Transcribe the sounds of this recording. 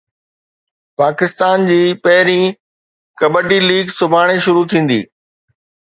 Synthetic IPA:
paːkɪst̪aːnd͡ʑiːpɐɦɪɾĩ | kɐbəʈiliːɡsʊbʱaːɽ̃eʃʊɾut̪ʰĩːn̆d̪ḭː

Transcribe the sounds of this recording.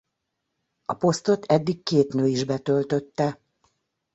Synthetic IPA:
ɒpo̞st̪o̞t̪ʰɛd̪ːikkeːt̪nøːiʒbɛt̪ø̞lt̪ø̞t̪ːɛ

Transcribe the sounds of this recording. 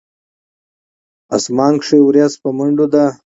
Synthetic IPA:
a̰smɑːŋkʂewɾjaspaməɳɖod̪a

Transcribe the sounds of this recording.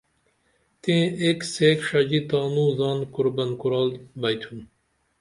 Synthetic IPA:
t̪ẽekseːkʂɐd͡ʑit̪ɑːnuːzɑːnkuɾbɐnkuɾɑːlbɐjt̪ʰun

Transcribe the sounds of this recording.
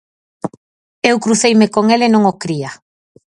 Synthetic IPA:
ewkɾuθejmɪkoŋelenõŋokɾia

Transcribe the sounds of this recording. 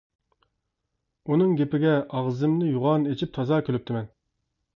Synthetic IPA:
unɨŋɡʲepɪɡʲɛʔɑʁzɨmnɨjuʁɑnet͡ʃʰip̚t̪ʰɑzɑːkʲʰølyp̚t̪ʰɪmɛn

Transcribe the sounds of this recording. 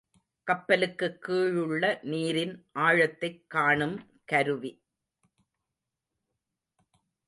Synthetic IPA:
kɐpːɐlɯkːɯkːiːɻɯɭːɐniːɾɪnʔaːɻɐt̪ːɐɪkːaːɳɯm | kɐɾɯʋi

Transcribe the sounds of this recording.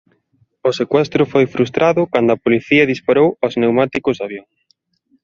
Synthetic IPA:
ʊsekwɛst̪ɾʊfojfɾust̪ɾʔaðʊkand̪ʊɐpoliθiɐðispaɾowoznewmat̪ikʊzðaβjoŋ

